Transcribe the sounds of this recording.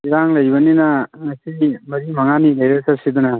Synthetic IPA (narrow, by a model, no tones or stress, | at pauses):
iɾaŋlɐjbɐninɐŋɐsimɐɾimɐŋanilɐjɾesɐsid̪una